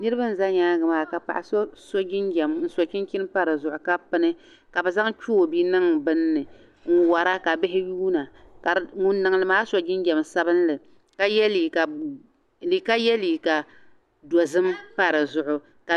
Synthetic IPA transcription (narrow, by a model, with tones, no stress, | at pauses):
nɨ˦ɾɨ˦ba˦n̩˨za˦ɲaː˦ɡɨ˨maː˨ka˨pa̰˨ʔa˨so˦so˦d͡ʒɪ˦nɡɛ˨mn̩˨˦so˨t͡ʃi˦n˦kʲɪ˦n˦pa˦ɾɨ˨zʊ˨ʔʊ˨ka˦pɨ˨nɨ˦ | ka˨bɛ˨za˦ŋt͡ʃuː˦˨bi˦nɨ˦ŋbɨ˦nːɨ˨ | ŋ̩˦wa˨ɾa˦ka˨bɪ˦ɦɪ˦juː˦na˨ka˨ŋʊ˦nː˦ɨ˨ŋ˦lɨ˨maː˦so˨ɡɪ˦nɡɛ˨msa˦bɨ˦n˦lɨ˨ | ka˦jɛ˦li˨ka˨ | li˨ka˦jɛ˦li˨ka˨ | dɔ˨zɨ˦mpa˦ɾɨ˨zʊ˨ʔʊ˨ | ka˨